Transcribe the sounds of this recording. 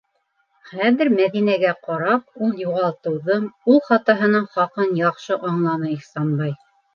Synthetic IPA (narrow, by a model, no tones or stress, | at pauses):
χæðɘɾmæðinæɡæqɑɾɑp̚ulˠjuʁɑlˠt̪ɤ̆wðɤmulˠχɑt̪ɑɦɤ̆nɤɴχɑqɤnjɑqʃɤʔɑɴlˠɑnɤiχsɑnbɑj